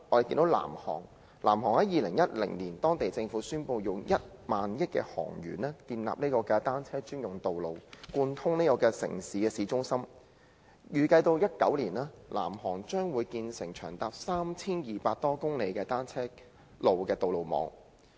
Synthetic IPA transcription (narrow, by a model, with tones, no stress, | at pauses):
ʔɔː˨˧ɾe˨jki˧nt̪o˨˥wla̰ː˨˩mhɔ̰ː˨˩ŋ | lʔa̰ː˨˩mɦɔː˨˩ŋhɐ˨˥jiː˨lɪ˨˩ŋjɐ˥t̚lɪ̰˨˩ŋniː˨˩nt̪ɔː˥ŋt̪e˨jt͡sɪ˧ŋfuː˨˥syː˥npo˧wjʊ˨ŋjɐ˥t̚maː˨njɪ˥t̚kɛ̰ː˧hɔ̰ː˨˩ŋjɥy̰ː˨˩nɛː˥t̪iː˧nla̰ː˨p̚ne˥kɔː˧kɛ˧t̪aː˥nt͡sʰɛː˥t͡ʃyː˥njʊ˨˩ŋt̪o˨wlo˨wkuː˧nt̪ʰʊ˥ŋne˥kɔː˧kɛː˧sɪ̰˨˩ŋsiː˨˥kɛː˧siː˨˧˥t͡ʃʊ˥ŋsɐ˥m | jyː˨kɐ˧jt̪o˧wjɐ˥t̚kɐ˨˥wliː˨˩naː˥lʔa̰ː˨˩mhɔː˨˩ŋt͡ʃœː˥ŋwuː˨˧jkiː˧nsɪ˨˩ŋt͡ʃʰœː˨˩ŋt̪aː˨˧p̚saː˥mt͡sʰiː˥njiː˨paː˧t̚t̪ɔː˥kʊ˥ŋle˨˧jkɛː˧t̪aː˥nt͡sʰɛː˥ | lo˨wkɛː˧t̪o˨wlo˨˩wmɔ̰ː˨˧ŋ